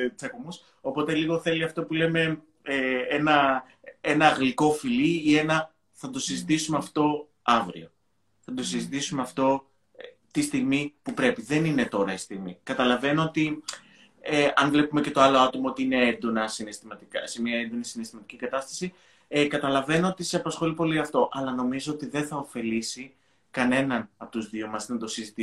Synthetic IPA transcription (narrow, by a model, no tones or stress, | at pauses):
sɐkomus | o̞po̞t̪e̞liɣo̞θe̞liɐft̪o̞pule̞me̞ | eenɐ | enɐːɣliko̞filiie̞nɐ | θɐd̪o̞sizit̪isumeɐft̪o̞ | ɐvɾḭo̞̰ | θɐd̪o̞sizit̪isumeɐft̪o̞ | t̪ist̪iɣmipupɾe̞piðe̞nine̞t̪o̞ɾɐist̪iɣmikɐt̪ɐlɐve̞noo̞t̪i | eɐnvle̞pume̞cet̪oɐlo̞ɐt̪o̞mɐot̪iine̞end̪o̞nɐsinest̪imɐt̪ikɐse̞miɐe̞nd̪o̞nisinest̪imɐt̪i̥cikɐt̪ɐst̪ɐ̥si | kɐt̪ɐlɐve̞noo̞t̪iseɐpɐsxo̞lipo̞liɐft̪o̞ʔɐlɐno̞mizo̞ot̪iðe̞nθɐofe̞lisi | kɐne̞nɐnɐpo̞t̪uzðiomɐsnɐd̪o̞sizit̪i